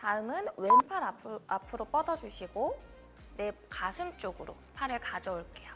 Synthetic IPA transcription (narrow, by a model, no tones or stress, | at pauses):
taɯmɯnwe̞npʰaɾaapʰɯɾop͈ʌdʌd͡ʑuɕʰiɡo | ne̞kasʰɯmt͡ɕ͈oɡɯɾo̰ | pʰaɾɯɭkad͡ʑʌoɭk͈e̞jo